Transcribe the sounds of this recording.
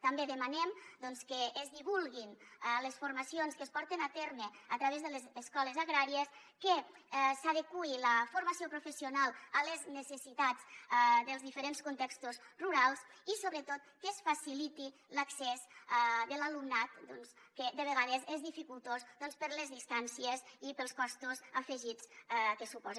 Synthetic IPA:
t̪ambeðəmanɛmd̪ɔnskəːzðiβulˠɣinɛləsfuɾmasionskəspɔɾt̪enat̪eɾneat̪ɾaβezðəlezːskɔləzaɣɾaɾies | kə | saðekuiləfuɾmasiopɾufəsiunalˠələznəsəsit̪azd̪əlzðifəɾenskunt̪ɛkst̪uzruɾalˠzisoβɾət̪ot̪̚kəsfasilit̪i | ləksɛzad̪əlalumnat̪̚d̪ɔnskəd̪əβ̞əɣað̞əzezðifikulˠt̪ozðɔnspəɾləzðist̪ansiəzipəlˠskɔst̪uzəfəʒit͡skəsupɔz

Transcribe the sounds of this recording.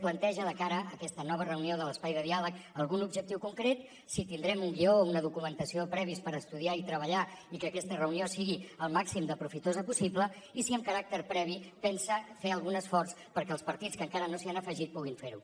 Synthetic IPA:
plənt̪ɛʒəðəkaɾəːkɛst̪ənɔβ̞ərəunioðələspajðəðialəkəlˠɣunubʒək̚t̪iwkuŋkɾet̪̚ | sit̪ind̪ɾɛmuŋɡiounəðukumənt̪əsiopɾɛβ̞ispəɾəst̪uðiait̪ɾəβ̞əʎaikəkɛst̪ərəuniosiɣiəlˠmaksimd̪əpɾufit̪ozəpusiblə | isiəmkəɾak̚t̪əɾpɾɛβ̞ipɛnsəfeəlˠɣunəsfɔrspəɾkɛəlspəɾt̪itt͡skəŋkaɾənosianəfəʒit̪̚puɣ̞iɱfeɾṵ

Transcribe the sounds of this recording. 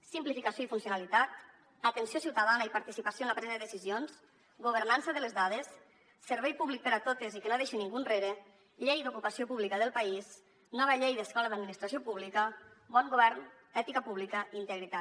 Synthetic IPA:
simplifikasjoifunsjunalit̪at̪ | at̪ənsjosiwt̪aðanaipaɾt̪isipasijoenlapɾɛzaðeðesizjons | ɡuβ̞əɾnansəðəlezðað̞esː | əɾβɛjpuβlik̚pəɾat̪ot̪ezikenoeʃinːiŋɡunreɾe | ʎejd̪ukupasiopuβlikəðəlˠpaiz | nɔβəʎejðəskɔləðad̪minist̪ɾasiopuβlikəbɔŋɡuβɛɾn | ɛt̪ikəpuβlikəint̪əɣɾit̪a

